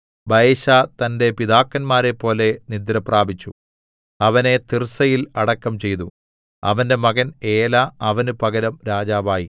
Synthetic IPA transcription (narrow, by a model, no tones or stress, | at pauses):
bʱɐjɕaːt̪ɐnde̞piðaːkːɐnmaːɾe̞pːo̞ːle̞nid̪ɾɐpraːbʱit͡ɕːu | ɐʋɐne̞t̪irsɐjilɐɽɐkːɐmt͡ɕe̞jt̪u | ɐ̰ʋɐnde̞mɐɣɐne̞ːlaːɐʋɐnupɐɣɐɾɐmɾaːd͡ʑaːʋaːji